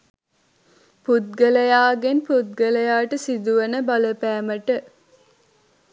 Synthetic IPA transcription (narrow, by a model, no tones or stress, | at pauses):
pud̪̚ɡɐlɐjaːɡenpud̪̚ɡɐlɐjaːʈəsid̪uʋɐnəbɐlɐpæːmɐʈə